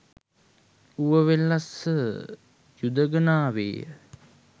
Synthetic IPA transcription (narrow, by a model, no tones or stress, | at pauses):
uʋəʋelːasə | jud̪əɡənaːʋḛːə̰